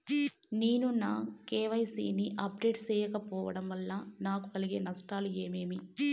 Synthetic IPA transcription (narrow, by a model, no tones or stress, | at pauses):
neːnunaːkeːʋɐjsḭːniʔɐpɾeːʈt͡ʃɛːjɐkɐpɔːʋɐɽɐmʋɐlːɐnaːku̥kɐliɡe̞ːnɐsʈaːlueːmeːmi